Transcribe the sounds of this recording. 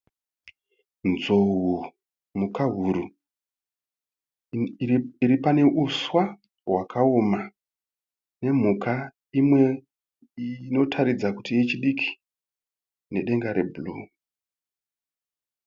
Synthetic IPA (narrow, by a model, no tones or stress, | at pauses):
nzoɦu | mukaɦuɾu | iɾipane̞ʔuswa | wakʰaoma | ne̞m̤uka | imwe̞ | no̞tʰaɾid͡zakutijet͡ʃiɗikʰi̥ | ne̞ɗe̞ŋɡaɾe̞̰buluː